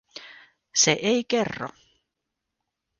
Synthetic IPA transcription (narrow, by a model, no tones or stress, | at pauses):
sɛʔejcɛrːɔ̰